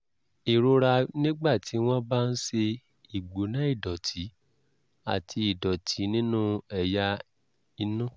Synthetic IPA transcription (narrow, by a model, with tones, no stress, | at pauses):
i˨ɾo˧ɾa˧nĩ˦ɡ͡ba˦˨ti˨˦w̃ɔ̃˦ba˦˧n̩˦ʃe˧ | i˨ɡ͡bo˨˦nã˦i˦˨dɔ˨tʰi˨˦ | a̰˦˨tʰi˧i˨dɔ˨tʰi˨˦nĩ˦nũ˦ɛ˨ja˧ | i˧nũ˦˨